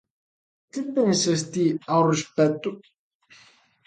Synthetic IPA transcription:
kipːɛnsast̪iawrispɛt̪ːu

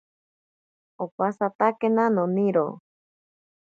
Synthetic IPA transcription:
opasat̪akenanoniɾo̰

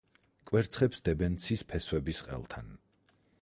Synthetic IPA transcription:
kʼwɛɾt̪sʰχɛpsd̪ɛbɛnt̪sʰispʰɛswɛbisqʼɛ̰lˠt̪ʰa̰n

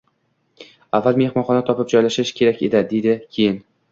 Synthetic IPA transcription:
avːalˠme̞hmɒnχɒnat̪ʰɒpɪp̚d͡ʒɒjlaʃɪʃkʲʰe̞ɾakʲe̞d̪ɪd̪e̞d̪ɪkʲʰejɪn

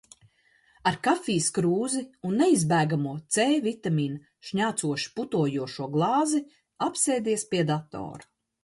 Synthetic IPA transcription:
aɾkafiːskɾuːziunːeizbæːɡamuɔt̪seːvit̪amʲiːn | ʃɲaːt̪suɔʃi̥put̪uɔjuɔʃuɔɡlˠɑːzi | apseːd̪iɛspiɛd̪at̪o̰ːɾu

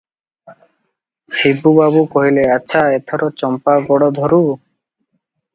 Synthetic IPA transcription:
sibubabukɔɦileaːaet̪ʰɔɾɔt͡ʃɔmpaɡɔɽɔd̪ʱɔɾu

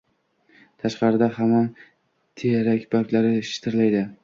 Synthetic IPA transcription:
t̪ʰaʃqɑɾɪd̪ahama | t̪ʰeɾakʲbakʲlaɾɪʃɪ̥t̪ʰɪɾlajd̪ɪ

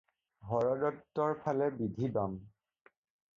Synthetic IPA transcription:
ɦɔɹɔdɔtːɔɹpʰalɛbidʱibam

